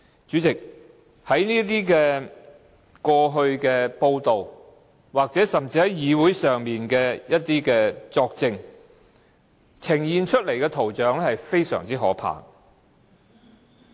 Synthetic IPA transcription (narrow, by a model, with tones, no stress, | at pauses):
t͡ʃyː˨˥t͡sɪ˨k̚ | hɐ˨˥jniː˥t̪̬iː˥kɛː˧ | kɔː˧ɦɵ˧ɥkɛː˧po˧wt̪o˨w | waː˨k̚t͡sɛː˨˥sɐ˨˩mt͡siː˧hɐ˨˥jjiː˨˧wu˨˥jsœː˨ŋmiː˨nkɛː˧jɐ˥t̚t̪iː˥kɛː˧t͡sɔː˧k̚t͡sɪ˧ŋ | t͡sʰɪ˨˩ŋjiː˨nt͡ʃʰɵ˥t̚le˨˩jkɛː˧t̪ʰo˨˩wt͡ʃœː˨˥ŋ˥hɐ˨jfe˥jsœ̰ː˨˩ŋt͡siː˥ɦɔ̰ː˨˥pʰa̰ː˨˩ŋ